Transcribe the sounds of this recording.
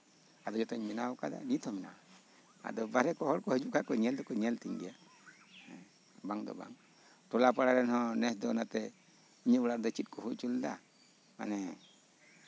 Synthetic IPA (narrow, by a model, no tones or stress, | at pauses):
ad̪ɔd͡ʒɔt̪ɔɲminawɔkad̪a̰nit̪ʰɔmina̰wa | a̰d̪ɔbaɾɛkɔɦɔɽkɔɦɔd͡ʒukakɔɲɛld̪ɔkɔɲɛlt̪iŋɡia | baŋd̪ɔ̰ba̰ŋ | tɔlapaɽaɾɛnhɔ̃nɛsd̪ɔnat̪ɛ | iɲɛbɔɽaɾd̪ɔt͡ʃit̪̚kɔɦut͡ʃuld̪a̰ | ma̰nɛ